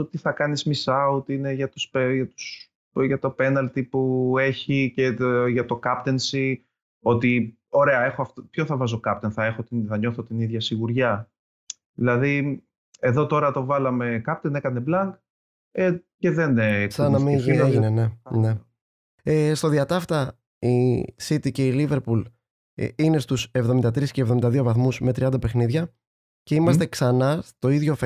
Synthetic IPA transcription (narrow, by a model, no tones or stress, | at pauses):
ot̪iθɐkɐnizmisɐut̪iine̞ʝɐt̪uspeʝɐt̪u̥s | ʝɐt̪o̞pe̞nɐlt̪ipue̞çice̞ʝɐt̪o̞kɐpt̪e̞nsi | o̞t̪i | o̞ɾe̞ɐe̞xoɐft̪opçoθɐvɐzo̞kɐp̚t̪e̞nθɐe̞xo̞t̪inθɐɲo̞θot̪iniðʝɐsiɣuɾʝɐ | ðilɐði | e̞ðo̞t̪o̞ɾɐt̪o̞vɐlɐme̞kɐp̚t̪enekɐne̞blɐŋɡ | ece̞ðensɐnɐmiʝienene̞ne̞ | est̪o̞ðiɐt̪ɐft̪ɐ | isit̪ice̞ilive̞ɾpul̰ | ine̞st̪usevðo̞mind̪ɐt̪ɾisce̞vðomind̪ɐðio̞vɐθmuzme̞t̪ɾiɐnd̪ɐpe̞xniðʝɐ | ce̞imɐst̪e̞ksɐnɐst̪o̞iðʝo̞f